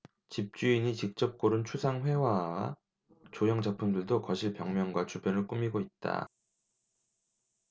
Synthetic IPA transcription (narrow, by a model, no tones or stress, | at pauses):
t͡ɕip̚t͡ɕ͈uiɲit͡ɕik̚t͡ɕ͈ʌp̚k͈oɾunt͡ɕʰusʰaŋɸwe̞wawa̰ | t͡ɕojʌŋd͡ʑapʰumdɯɭdokʌɕʰiɭpjʌŋmjʌŋɡwat͡ɕubjʌnɯɭk͈umiɡoit̚t͈a̰